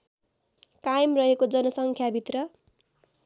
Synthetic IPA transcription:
kajimrʌɦekod͡zʌnʌsʌŋkʰjabʱit̪rʌ

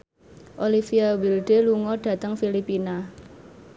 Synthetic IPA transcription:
ʔolifiawilɖ̥eluŋɔɖ̥ä̤t̪əŋfilipina

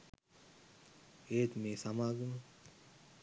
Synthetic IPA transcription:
eːt̪meːsamaːɡəmə

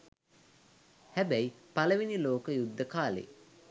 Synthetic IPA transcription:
hæbæjipaləʋiniloːkəjud̪ːəkaːlḛː

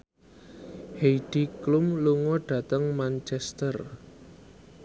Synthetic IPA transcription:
heiɖ̥iklumluŋɔɖ̥ä̤t̪əŋmant͡ʃɛst̪ər

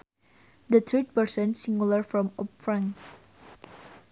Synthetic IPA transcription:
d̪ət̪ʰɹit̚pəɹsə̃nsĩŋɡulaɹfɹɔ̃mɔp̚fɹãŋ

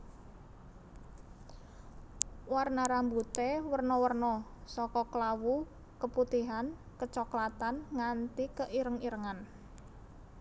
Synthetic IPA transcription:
warnaɾambut̪ɛwərnɔwərnɔsɔkɔklawu | kəput̪iɦan | kət͡ʃɔklat̪anŋant̪ikəʔiɾəŋiɾəŋan

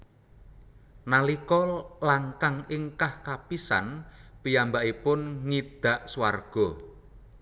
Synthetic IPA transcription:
nalikɔlaŋkaŋɪŋkahkapisa̰npijambaʔipʊnŋid̪̥a̤ʔsuwa̰rɡ̥ɔ

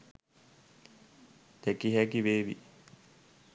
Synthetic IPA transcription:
t̪ekiɦækiʋeːʋḭ

